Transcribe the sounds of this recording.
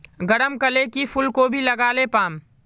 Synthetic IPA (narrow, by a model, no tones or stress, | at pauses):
ɡɐɽəmkəlekipʰʊlkobʱilɐɡaːlepaːm